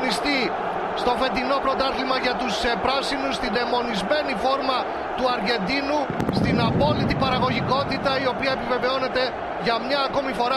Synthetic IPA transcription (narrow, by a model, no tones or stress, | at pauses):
nist̪i | st̪o̞fe̞t̪ino̞pɾo̞t̪ɐθlimɐʝɐt̪usepɾɐsinusst̪ind̪e̞mo̞nizme̞nifo̞ɾmɐ | t̪uɐɾʝe̞nd̪inust̪inɐpo̞lit̪ipɐɾɐɣo̞ʝiko̞t̪it̪ɐio̞piɐe̞pive̞ve̞o̞ne̞t̪e̞ | ʝɐmɲɐːko̞mifo̞ɾɐ